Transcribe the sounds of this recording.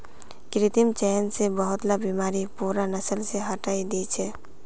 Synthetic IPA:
kɾit̪imt͡ʃɛnsebəɦʊt̪labimaːɾipuɾanəsəlseɦəʈaːid̪it͡ʃʰɛ

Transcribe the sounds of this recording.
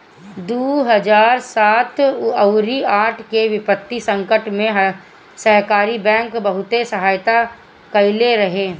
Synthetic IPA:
d̪uːɦəd͡ʒaːɾsaːt̪ʰəʊɾiaːʈʰkeʋɪpət̪ːisə̃ŋkəʈmẽɦ | sɐɦkaːɾibɛ̃ːŋkbɐɦʊt̪esɐɦaːjt̪a | kɐɪleɾɐɦeː

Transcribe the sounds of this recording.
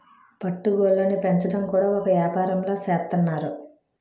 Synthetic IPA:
pɐʈːuɡoːlːɐnipeɲt͡ʃɐʈɐmkuːɽaːɔkɐʋjaːpaːɾɐmlo̞ːsɛːt̪ːɐnːaːɾu

